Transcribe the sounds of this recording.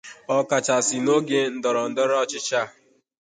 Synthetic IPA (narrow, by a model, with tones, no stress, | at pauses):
ɔ˦ka˨t͡ʃa˨sɪ˨no˦ɡe˦n̩˨dɔ˨ɾɔ˨n̩˨dɔ˦ɾɔ˦˨t͡ʃɪ˦t͡ʃa˦˨